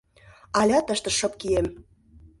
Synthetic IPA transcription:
ɑlʲɑt̪əʃt̪ə̆ʃɤ̆p̚kijem

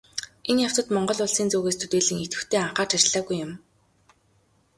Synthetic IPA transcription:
enjaw̥t̪ə̆t̪mɔɴɢɞ̆ɮʊɮsiːnt͡soːɣeːst̪ʰu̥t̪eːɮɘ̆ŋet̪ɡɘ̆t̪ʰeːaɴχaːrt͡ɕʰat͡ɕɮaːɣujːʊm

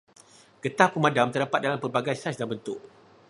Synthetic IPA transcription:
ɡ̥ət̪ahpəmãdamt̪ərdapat̪̚dalampərbaɡajsasdanbənt̪ʊʔ

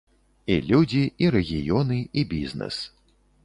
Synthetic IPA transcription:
ilʲud͡zʲiiɾɛɣʲijɔnɨibʲiznɛ̰s

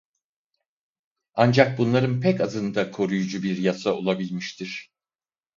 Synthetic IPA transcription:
and͡ʒak̚bunlˠaɾɯnpʰɛkazɯnd̪akʰo̞ɾujud͡ʒubiɾjasao̞lˠabilʲmiʃt̪ʰiɾ̝̥

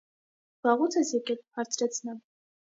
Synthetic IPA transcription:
v̥ɑʁut͡sʰɛsjɛkɛlhɑɾt͡sʰɾɛt͡sʰnɛv

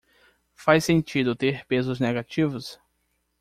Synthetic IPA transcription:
fajsẽnt͡ʃid̪ʊt̪eɾpezʊzneɡat͡ʃivʊs

